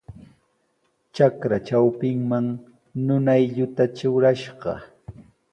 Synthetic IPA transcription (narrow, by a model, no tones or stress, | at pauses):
t͡ʃakɾat͡ʃawpɪŋmaŋ | nʊnajʎʊt̪at͡ʃʊɾaʃɢɑ̰